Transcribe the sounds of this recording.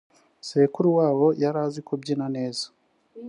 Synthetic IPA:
seːkuɾuwaːwo̞jaɾaːzikobɟinane̞ːzḁ

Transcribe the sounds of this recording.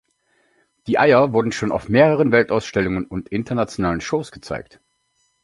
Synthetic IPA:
d̥iːʔaɪɐvʊɐdn̩ʃoːna̰ʊfmeːʁəʁ̞ənvɛltaʊsʃtɛlʊŋənʊntʔɪntʰɐnat͡sjonaːlənʃoːsɡ̥ət͡sa̰ɪk̚t

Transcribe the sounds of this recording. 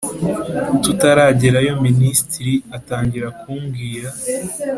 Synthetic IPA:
tutaɾaːɟeɾajo̞ministiɾiataːɲɟiɾakʰuːmɡiːɾa

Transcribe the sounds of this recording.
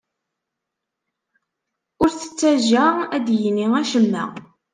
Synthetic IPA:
ʊɾθə̥t͡sːæʒææd̪jəniæʃəmːæ̰

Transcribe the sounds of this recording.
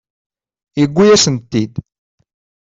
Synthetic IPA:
jəɡʷːijæsənt̪ːid̪

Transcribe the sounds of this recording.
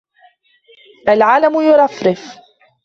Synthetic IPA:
ʔalʕaːlamʊjʊɾˤɑfɾɪf

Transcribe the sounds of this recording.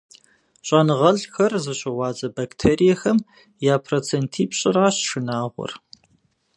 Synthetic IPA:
ɕʼɐnɨʁɐɮxɐrzɨɕʼɪʁʷɑːd͡zʼɐbɐktʰeːɾijɛxɐm | jaːpʰrot͡sʰeːntʰiːpɕʼɪɾaːɕʂɨnaːʁʷɔ̰r

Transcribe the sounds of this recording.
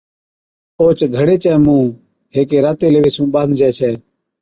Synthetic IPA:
oːt͡ʃɡʱəɽeːt͡ʃɛːmũː | ɦeːkeːɾaːt̪eːleːʋeːsũːɓãːnd̪d͡ʒʱɛːt͡ʃʰɛː

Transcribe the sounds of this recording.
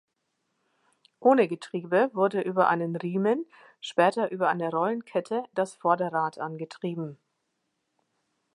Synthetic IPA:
ʔoːnəɡətʁ̥iːbəvʊɐdəʔyːbɐʔa̰ɪnənʁiːmən | ʃpɛːtɐʔyːbɐʔa̰ɪnəʁɔlənkʰɛtʰəd̥asfɔɐdəʁaːtʰʔanɡətʁ̥iːbm̩

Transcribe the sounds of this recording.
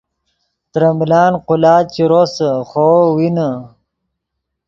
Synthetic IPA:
t̪ɾɐmlɑːnqʊlɑːt͡ɕiɾosəχowinə

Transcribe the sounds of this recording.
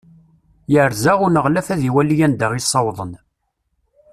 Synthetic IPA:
jəɾzaʁʊnəʁlæfæðiwælːijænd̪əʁisˤːɑwðˤən

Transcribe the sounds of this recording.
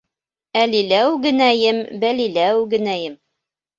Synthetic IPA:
ælilæwɡɘ̆næjɘmbælilæwɡɘ̆næjɘm

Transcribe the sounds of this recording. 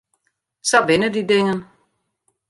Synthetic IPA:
sɒʋɪnədideŋən

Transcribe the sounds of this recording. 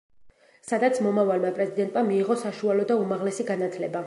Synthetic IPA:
sad̪at̪sʰmɔmavalmapʼɾɛzid̪ɛnt̪ʼmamiːʁɔsaʃualɔd̪aumaʁlɛsiɡanat̪ʰlɛba

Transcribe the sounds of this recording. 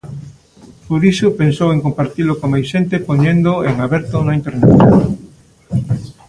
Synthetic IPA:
poɾisʊpensoweŋkompaɾt̪ilʊkomajsʃent̪epoɲẽnd̪oeŋaβɛɾt̪onaint̪eɾnḛt̪

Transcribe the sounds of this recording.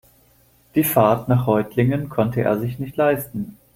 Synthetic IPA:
d̥iːfaɐtnaːχʁɔʏtʰlɪŋənkʰɔntəʔḛːɐzɪçnɪçtlaɪstn̩

